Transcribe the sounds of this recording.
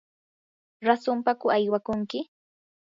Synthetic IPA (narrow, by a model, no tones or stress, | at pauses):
ɾasʊmpakʊajwakʊŋkɪ